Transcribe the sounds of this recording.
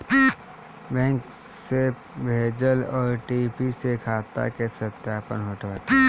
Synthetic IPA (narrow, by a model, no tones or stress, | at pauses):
bɛ̃ːŋk | se | bʱeːd͡ʒəlɔːɾʈipisekʰaːt̪a̰kesət̪jaːpə̰nɦoːʈʋaːt̪i